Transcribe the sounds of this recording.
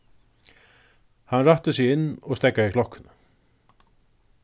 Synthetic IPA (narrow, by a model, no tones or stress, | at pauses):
hanraht̪əsɪɣɪnːɔɣst̪ɛkːaikʰlɔhkːʏn